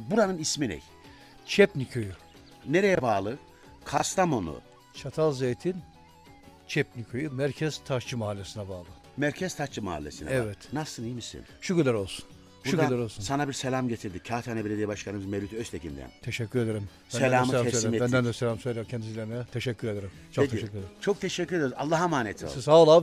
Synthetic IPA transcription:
buɾanɯnisminɛ̰j | t͡ʃʰɛpnicʰoju | neɾejɛbaːlˠɯ | kʰast̪ʰamo̞nṵ | t͡ʃʰat̪ʰalˠzejt̪ʰin | t͡ʃʰɛpnicʰojumæɾcʰɛz̥t̪ʰat͡ʃʰɯmaɦalʲːesinɛbaːlˠɯ | mæɾcʰɛz̥t̪ʰaʃt͡ʃʰɯma̰ɦa̰lʲːesinɛ̰ɛvɛt̪nasɯnejmisḭnʃucyɾlæɾo̞lˠsu̥n | ʃuɾuɾlʲæɾolˠsunsanabiɾselʲamɟet̪ʰiɾd̪icʰːaːt̪ʰanebiɾed̪ejibaʃkanɯmɯzmelʲyt̪ʰøst̪ʰecʰḭnd̪æ̰nt̪ʰeʃɛcːyɾed̪eɾim | selʲaːmɯmbɛnd̪ænd̪ɛselʲamsøjlʲɛɾcʰɛnd̪izilʲeɾinɛt̪ʰeʃɛcʰːyɾed̪eɾimt͡ʃʰot̪ʰʃɛkʲːyɾd̪æɾt͡ʃʰo̞k̚t̪ʰeʃɛcːyɾed̪eɾialˠːaɦamaːnet̪ʰio̰salˠa

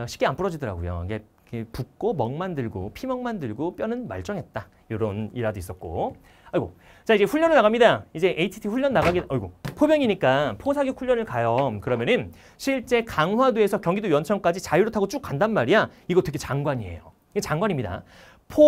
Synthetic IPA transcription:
ɕʰi̥k͈eanp͈ɯɾʌd͡ʑidʌɾa̰ɡojo̰ɡe | kepuk̚k͈omʌŋmandɯɭɡo̰pʰimʌŋmandɯɭɡop͈jʌnɯnma̰ɭt͡ɕ͈ʌŋɦe̞t̚t͈a | joɾʌniɾadois͈ʌt̚k͈o̰ | aɭɡo̰ | t͡ɕaid͡ʑe̞ɸʰuɭːʌnɯɭnaɡamɲidaid͡ʑe̞ʔeitʰi̥tʰiɸuʎːʌnːaɡaɡiʌɭɡopʰobjʌŋiɲik͈apʰosʰaɡjokʰuʎːʌnɯɭkajʌmkɯɾʌmjʌnɯn | ɕʰiɭt͡ɕ͈e̞kaŋɦwaduesʰʌkjʌŋɡidojʌnt͡ɕʰʌŋk͈ad͡ʑit͡ɕaiɾotʰaɡot͡ɕ͈uk͈andanmaɾijaiɡʌt͈eɡet͡ɕaŋɡwaɲie̞̰jo̰ | et͡ɕaŋɡwaɲimɲida̰ | pʰo

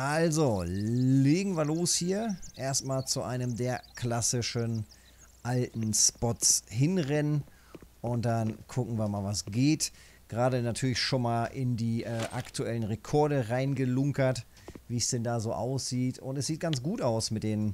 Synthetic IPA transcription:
ʔalzoleːɡŋ̩viːɐloːshiːɐʔeːɐstmaːlt͡suʔa̰ɪnəmdeːɐklasɪʃən | ʔaltn̩spɔtshɪnʁɛnən | ʔʊnt̚d̥ankʰʊkŋ̩viːɐmaːlvasɡ̥eːt | ɡ̥ʁaːdənatʰyːɐlɪçʃoːnmaːlʔɪndiːʔɛːʔa̰ktʰuʔɛlənʁekʰɔɐdəʁaɪnɡəlʊŋkɐt | viːsd̥ɛndaːzoːʔa̰ʊsz̥iːtʰʊntɛsz̥iːt̚ɡ̥ant͡sɡ̥uːtaʊsmɪt̚d̥eːn

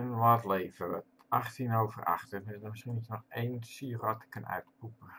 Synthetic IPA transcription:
ənʋaːtleːvəət | axtinoːvə̰ra̰xtəɪdəmɪskinitɔejnsiərɔtə̥kənœ̰ɥtpupə

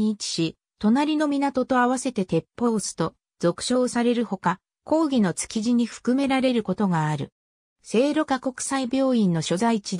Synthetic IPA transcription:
t͡ɕi̥ɕi | t̪o̞naɾʲino̞mʲinat̪o̞t̪o̞aβase̞t̪e̞t̪e̞pːo̞ːsɨ̥t̪o̞ | zo̞kɯ̥ɕo̞ːsaɾe̞ɾɯ̟ho̞ka | ko̞ːɡʲino̞t͡sɨ̥kʲiʑiɲ̟iɸɯ̥kɯ̟me̞ɾaɾe̞ɾɯ̟ko̞t̪o̞ɡaːɾɯ̟ | se̞ːɾo̞kako̞kɯ̟̥saibʲo̞ːĩnːo̞ɕo̞zait͡ɕid̪

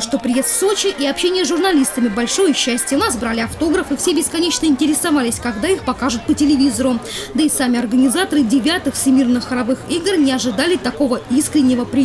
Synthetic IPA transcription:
ʂt̪opɾʲɪjest̪so̞t͡ɕɪʔiɐpɕenʲɪjəsʐʊrnɐlʲist̪əmʲɪbɐlʲʂo̞jəɕːæsʲtʲjəʊnasbɾalʲɪɐft̪o̞ɡɾəfɨfsʲebʲɪskɐnʲet͡ɕnəɪnʲtʲɪɾʲɪsɐvalʲɪsʲkɐɡd̪aixpɐkaʐʊt̪̚pətʲɪlʲɪvʲizəɾʊd̪əɪsamʲɪɐrɡənʲɪzat̪əɾɨdʲɪvʲat̪ɨxsʲɪmʲirnɨxɾɐvɨxiɡrnʲɪɐʐɨd̪alʲɪt̪ɐko̞vəiskɾʲɪnʲːɪvəpɾʲɪ

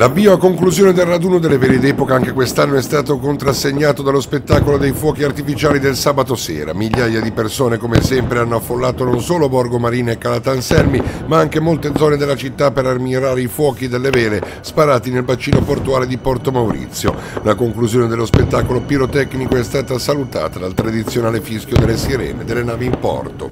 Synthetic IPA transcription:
labiːvakoŋkluzjoːned̪elrad̪uːnod̪elːevɛːɾed̪ɛːpokaaŋk̟ekwest̪anːoɛst̪aːt̪okont̪ɾasːeɲːaːt̪od̪alospet̪ːaːkolod̪ejfwɔːkiart̪ifit͡ʃaːlid̪elsaːbat̪osɛ̰ːɾa̰miʎːaːjad̪ipersoːnekomesɛmpɾeanːoafːolːaːt̪ononsoːlobɔrɡomaɾiːnoekːalat̪ansɛlmimaaŋk̟emolt̪ed̪zɔːned̪elat͡ʃit̪ːapːeɾarmiɲoɾaːɾeifwɔːkid̪elːevɛːle | spaɾaːt̪inelbat͡ʃːiːnoport̪uaːled̪ipɔrt̪omawɾḭt̪sːjo̰lakoŋkluzjoːned̪elːospet̪ːaːkolopiɾot̪ɛknikoɛst̪aːt̪asalut̪a̰ːt̪ad̪alt̪ɾad̪it̪sːjonaːlefiskjod̪elːesiɾɛ̰ːned̪elːenaːviimpɔ̰rt̪o̰

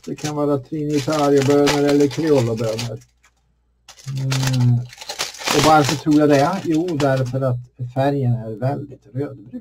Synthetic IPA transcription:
d̪̥ɛkʰanvɑːɾat̪ʰɾɪnɪt̪ʰaːɾjɔbøːnəɾɛlːəɾkʰɾɛɔlːʊbøːnəɾ | ʔɔvaɾfœt̪ʰɾuːɾjad̪ɛjuːd̪æɾfœɾat̪fæɾjənæɾvɛld̪ɪt̪ɾøːd̪bɾʉː

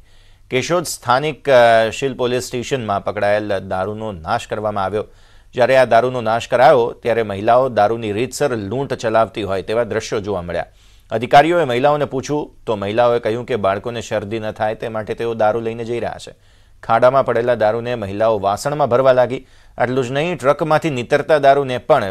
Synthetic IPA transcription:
keʃod̪st̪ʰanikʃilpolisʈeʃənmãpəkɽaeld̪aɾunonaʃkəɾʋamãaʋjo | d͡ʒjaɾead̪aɾunonaʃkəɾajot̪jaɾeməɦilaod̪aɾuniɾit̪səɾlũʈt͡ʃəlaʋt̪iɦojt̪eʋad̪ɾəʃjod͡ʒoʋaməɭja̰ | əd̪ʱikaɾijoeməɦilaoneput͡ʃʰũt̪oməɦilaoekəɦjũkebaɭkoneʃəɾd̪inət̪ʰajt̪emaʈet̪eod̪aɾuləined͡ʒəiɾəɦa̰t͡ʃʰḛ | kʰaɽamãpəɽelad̪aɾuneməɦilaoʋasəɳmãbʱəɾʋalaɡi | ə̰ʈlũd͡ʒnəɦĩʈɾəkmãt̪ʰinɪt̪əɾt̪ad̪aɾunepəɳ

